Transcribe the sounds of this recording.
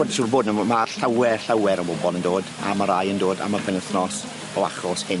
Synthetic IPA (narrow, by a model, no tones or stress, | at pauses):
odsurboːdnɔmaɬawɛɬawɛɾɔbɔbɔlˠəndoːda̰maɾajəndoːda̰mapʰənəθnɔs | ɔaχrɔshɪ